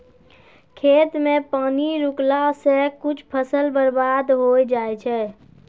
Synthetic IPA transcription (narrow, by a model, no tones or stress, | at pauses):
kʰet̪mepaːniɾuklasẽkut͡ʃʰpʰəsəlbəɾbad̪ɦojd͡ʒajt͡ʃʰɛ